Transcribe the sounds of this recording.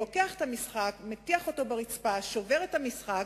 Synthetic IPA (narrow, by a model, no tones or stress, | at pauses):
okeaχet̪hamisχakmet̪iaχo̞to̞beʁit͡spaʃo̞ve̞ʁethamisχa